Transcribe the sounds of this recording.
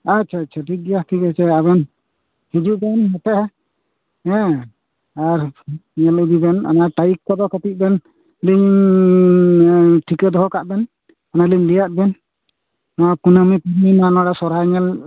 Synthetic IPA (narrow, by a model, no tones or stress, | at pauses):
at͡ʃʰat͡ʃʰaʈiɡijaht̪ʰikat͡ʃʰɛabɛn | hid͡ʒuʔbɛnɦɛt̪ɛhɛ | ɛ̃ | aɾɲɛlid̪ibɛna̰naʈajikːɔd̪ɔkət̪it̪̚ˀbɛn | liɲ | ʈʰikəd̪ɔɦɔkaʔ̪̚bɛn | analiɲlijaʔ̪̚bɛn | makunamipuɾmimanɔɽasɔɾaɲɛl